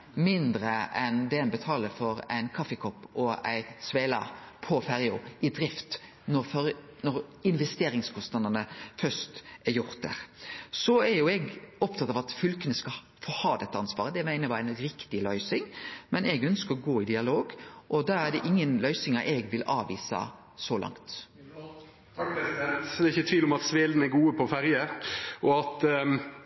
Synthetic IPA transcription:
mɪnd̪ɾəʔɛnd̪ɛɛnbət̪ʰɑːləfɔɾæ̰ɪnkʰɑfəkʰɔpːɔæ̰ɪsʋeɪlɑ̰pʰɔfɛɾɪʊɪd̪ɾɪft̪ | nɔɾfɾ | nɔɾɪnʋɛst̪eːɾɪŋskʰɔst̪nɑd̪ənəfœst̪æɾjʊɾt̪̚d̪æ̰ɾsɔæɾjʊɛɡɔpt̪ʰɑt̪ːɑːʋɑt̪fʏlkənəskɑ | foːhɑːd̪ɛt̪ːəɑnsʋɑ̰ːʁəd̪ɛmæɪnəɾʋɑænɾɪkt̪ɪlœʏsɪŋmɛnɛɡœnskəɾɔɡoːɪd̪ɪɑloːɡʔɔd̪ɑæd̪ɛʔɪŋːənlœʏsɪŋɑʔɛɡʋɪlɑːʋḭːsɑ̰ | sɔlɑ̰ŋt̪ | d̪ɛːɪçət̪ʰʋiːlɔmɑt̪sʋeːln̩ɛɡuːəpʰɔfæɾjəʔɔɑt̪

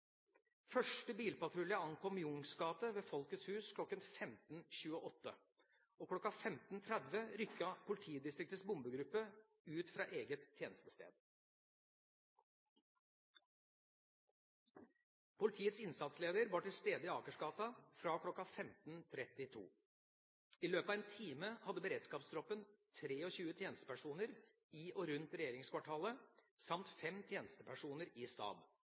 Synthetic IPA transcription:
fœʂʈəbiːlpɑt̪ʰɾʉlɪɑɑŋkʰɔmjʊŋsɡɑːt̪əʋeːfɔlkət̪shʉːskʰlɔkːənfɛmt̪n̩ɕʉːəʔɔt̪ːə | oːkʰlɔkːɑfɛmt̪n̩t̪ʰɾɛd̪ʋəɾʏkːɑpʰʊlɪt̪ʰiːd̪ɪst̪ɾɪk̚t̪əsbʊmbəɡɾʉpːə | ʉːt̪fɾɑ̰ːʔeːɡət̪ʰːjeːnəst̪əst̪ḛːd̪̥ | pʰʊlɪt̪ʰiːət̪sɪnsɑt̪sleːd̪əɾʋɑːʈɪlst̪eːd̪əɪɑːkəʂɡɑːt̪ɑfɾɑkʰlɔkːɑfɛmt̪n̩t̪ʰɾɛt̪ɪt̪ʰṵː | iːløːpɑːʋeːnt̪ʰiːməhɑd̪ːəbəɾeːd̪skɑːpsd̪ɾɔpənt̪ʰɾeːɔçʉːət̪ʰjeːnəst̪ə̥pæʂuːnəɾ | iːʔɔɾʉnt̪ɾɛjeːɾɪŋskʰʋɑʈʰɑːləsɑmt̪fɛmt̪ʰjeːnəst̪əpʰæʂuːnəɾiːst̪ɑ̰ːb̪

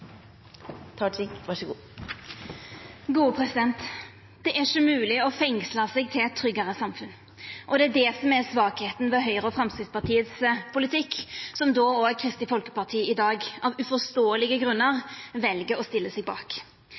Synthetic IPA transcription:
t̪ʰɑʈɪkʋɑʂəɡuː | ɡuːəpʰʁɛsɪd̪ɛnt̪ | d̪̥ɛʔæʃəmʉːlɪɔfɛŋsləsɛɡ̚t̪ʰɪlɛt̪ʰːɾʏɡəʁəsɑmfʉn | ʔɔd̪ɛæd̪ɛsɔmɛsʋɑːkheːt̪nʋɛɦœʏɾəɔfʁɑmsk̪ɾɪt̪spɑt̪ʰiːət̪spʰʊlɪt̪ʰɪkːsɔmd̪oːoːɛkʰʁɪst̪ɪfɔlkə̥pɑʁt̪ʰiːɪd̪ɑːɡɑʋʉfɔst̪oːəlɪɡəɡʁʉnːəʁʋɛlɡəɾɔst̪ɪlːəsɛɡ̚bɑ̰ːk

